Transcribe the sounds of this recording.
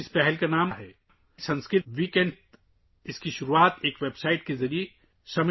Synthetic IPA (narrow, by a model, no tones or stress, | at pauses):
ɪspɛɦɛlkanaːmɦɛː | sɐ̃nskɾɪʋiːkɛ̃ɳɖ | ɪskiʃʊɾuaːt̪eːkʋeːbsaːɪʈ̚kezɐɾie | sɐmɪ